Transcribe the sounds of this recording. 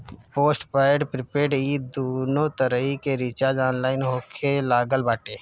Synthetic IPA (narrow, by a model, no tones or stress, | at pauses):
poːsʈpaːɖpɾɪpeːɖiːd̪oːnõt̪əɾəɦikeɾiːt͡ʃaːd͡ʒaːnlaːɪnɦoːkʰelaːɡəlbaːʈeː